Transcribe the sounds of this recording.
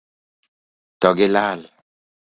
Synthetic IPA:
tɔɡelaːl

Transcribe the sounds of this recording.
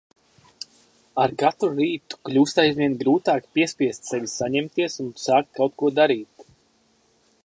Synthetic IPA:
aɾkat̪ɾuɾiːt̪u̥klʲuːst̪ajzvʲiɛnɡɾuːt̪aːkpʲiɛspʲiɛst̪sɛvʲisaɲɛmt̪iɛsunsaːk̚t̪̚kawt̪̚kuɔd̪aɾiːt̪

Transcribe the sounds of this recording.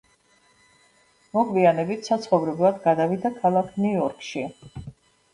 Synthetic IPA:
mɔɡʰvianɛbit̪ʰsat̪sʰχɔvɾɛblˠad̪ɡad̪avid̪akʰalˠakʰnuɔɾkʰʃi

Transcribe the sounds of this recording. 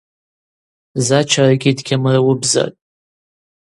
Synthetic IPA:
zat͡ʃʰaraɡʲʼidɡʲʰamrawʊbza̰tʼ

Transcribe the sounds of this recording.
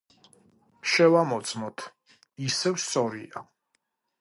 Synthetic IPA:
ʃɛvamɔt̪sʼʰmɔt̪ʰ | isɛvssɔɾia

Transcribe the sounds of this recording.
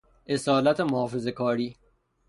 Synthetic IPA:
ʔe̞sɒːlæt̪ʰemɔːfuzekʰɒːɾiː

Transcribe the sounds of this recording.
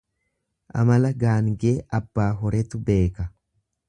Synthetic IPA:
ʔɐ̰mɐlɐɡaːŋɡeːʔɐbːaːɦɔɾɛt̪ʊbe̞ːkɐ

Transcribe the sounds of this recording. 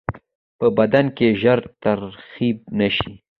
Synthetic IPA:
pəbad̪ankeʒəɾt̪aɾxib̚naʃi

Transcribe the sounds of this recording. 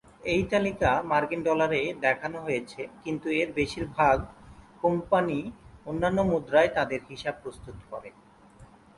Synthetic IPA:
ejt̪alikamaɾkinɖɔlaɾed̪ɛkʰanoɦojet͡ɕʰekint̪ueɾbeʃiɾbʱaɡkompanionːanːomud̪ɾaet̪ad̪eɾɦiʃab̚pɾost̪ut̪kɔɾe

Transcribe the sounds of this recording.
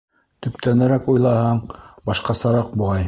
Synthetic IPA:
t̪ɵ̆p̚t̪ænæɾækujlˠɑhɑɴbɑʃqɑsɑɾɑq̚buʁɑj

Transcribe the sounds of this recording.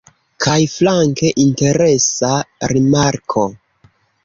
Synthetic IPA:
kʰajflaŋke̞ʔinte̞ɾe̞saɾimaɾkʰo̞

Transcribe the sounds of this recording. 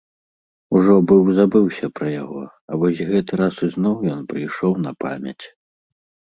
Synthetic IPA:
uʐɔbɨwzabɨwsʲɐpɾɐjaɣɔ | ɐvɔsʲɣɛt̪ɨɾasuznɔwjɔnpɾɨjʂɔwnɐpa̰mʲɐ̰t͡sʲ

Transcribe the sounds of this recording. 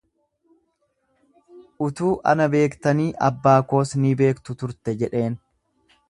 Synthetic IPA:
ʔʊt̪uːʔɐ̰nɐbe̞ːkt̪ɐniːʔɐbːaːko̞ːsnɪbe̞ːkt̪ʊt̪ʊɾt̪ɛd͡ʒɛᶑe̞ːn

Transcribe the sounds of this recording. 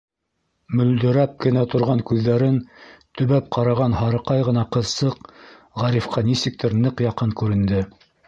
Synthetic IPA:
mɵ̆ld̪ɵ̆ɾæp̚kɘ̆næt̪ŏɾʁɑŋkʉðːæɾɘnt̪ɵ̆βæp̚qʰɑɾɑʁɑnhɑɾɤ̆qɑjʁɤ̆nɑqɤ̆ðsɤq | ʁɑɾifqʰɑnisɘ̆k̚t̪ʰɘɾnɤqjɑqɤŋkʉɾɘ̆nd̪ɘ

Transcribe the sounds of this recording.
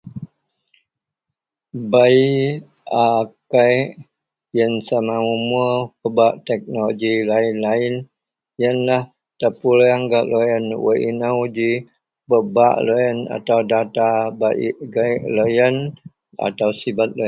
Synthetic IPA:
bai | akaj | jənsamaumupəbaʔt̪ɛk̚noloɡilainlain | jənlah | t̪əpulaŋɡaʔlʔojənwə̰ʔḭnawdi | pəbaʔlojəna̰t̪awdat̪abaʔiʔɡaʔlojən | a̰t̪awsibat̪̚lon

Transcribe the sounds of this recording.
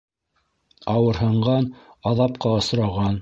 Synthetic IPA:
ɑwɤ̆ɾɦɤ̆ɴɢɑnɑðɑp̚qɑŏs̆ɾɑʁɑn

